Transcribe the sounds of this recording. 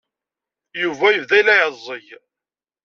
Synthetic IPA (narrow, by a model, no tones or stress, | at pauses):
juvæjəvðæjlæʕəzˤːəj